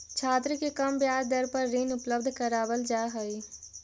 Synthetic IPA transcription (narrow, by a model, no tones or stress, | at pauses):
t͡ʃʰaːt̪ɾəkekəmbjaːɾd̪əɾpəɾːinʊpləbd̪ʱkəɾaːbəld͡ʒaːɦəi